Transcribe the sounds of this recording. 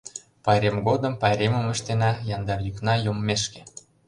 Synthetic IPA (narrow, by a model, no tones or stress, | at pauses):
pɑjɾʲemɡod̪ə̆mpɑɾʲemə̆mə̆ʃt̪enɑjɑnd̪ɑrjyknɑjommeʃke̥